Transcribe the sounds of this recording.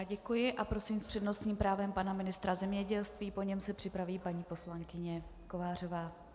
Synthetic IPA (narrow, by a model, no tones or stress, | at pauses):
ɟɛkujɪʔapɾo̞sɪmspr̥ɛdno̞sɲiːmpɾaːvɛmpanamɪnɪst̪ɾazɛmɲɛɟɛlst̪viːpoɲɛmsɛpr̝̥ɪpɾaviːpaɲiːpo̞slaŋkɪɲɛko̞vaːr̝ovaː